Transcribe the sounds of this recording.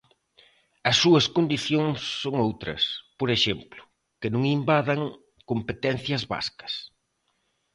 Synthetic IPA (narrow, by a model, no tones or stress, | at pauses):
ɐsːuɐskond̪iθjoŋsːoŋowt̪ɾɐ̰spoɾeʃemplʊ̥ | kɪnũŋimbaðɐŋ | kompet̪ɛn̟θjɐzβa̰skɐ̥s